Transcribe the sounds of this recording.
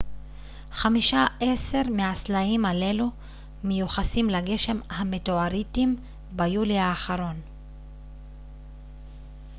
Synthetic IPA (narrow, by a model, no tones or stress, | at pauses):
χamiʃaʔe̞se̞ʁmeaslaimale̞lu | mejuχasimlaɡe̞ʃe̞mhametoaɾit̪im | bajuleaːχaɾo̞n